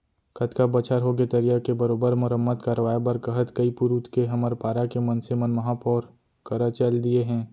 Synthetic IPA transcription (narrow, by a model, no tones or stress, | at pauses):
kʰɐt̪kabɐt͡ʃʰəɾɦoɡet̪ɐɾijakebɐɾoːbəɾmʊɾəmːət̪kəɾʋaːebɐɾkɐɦət̪kɐipuɾuːt̪ʰkeɦɐməɾpaːɾakemɐ̃nsemənmɐɦãpɔːɾ | kəɾət͡ʃəld̪ieɦɛ̃ː